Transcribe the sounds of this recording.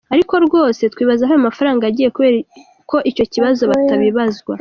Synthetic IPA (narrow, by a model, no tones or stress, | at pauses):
aɾiko̞ɾɡo̞ːse̞tkwiːβazaɦojamafaɾaːŋɡaaɟiːje̞kuβeːɾ | kʰo̞ʔico̞ciβazo̞βataβiβazɡwa